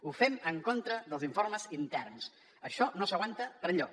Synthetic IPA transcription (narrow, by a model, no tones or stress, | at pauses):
ufɛməŋkont̪ɾəðəlˠziɱfoɾməzint̪ɛrns | əʃɔnosəɣwant̪əpəɾʎɔ